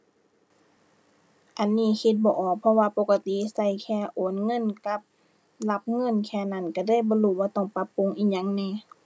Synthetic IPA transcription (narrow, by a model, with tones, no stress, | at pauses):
ʔa˨nːiː˧˥˨kʰi˧t̪̚bɔː˧˨ʔɔː˨˩k̚pʰɔ˧waː˧po˧˥ka˧t̪i˧˨sa˧˩˨jkʰɛː˧˩˨ʔoː˨˦˨nŋɤ˧˥˨nka˧˦p̚ | la˧p̚ŋɤ˧˥˨nkʰɛː˧˩na˧˩˨nka˧˩daː˧˥˨jbɔː˧˦luː˧˩waː˧t̪ɔː˧˩ŋpa˧˦pːu˧˥˨ŋʔiː˧˩ɲa˧˥˨ŋnɛː˧˨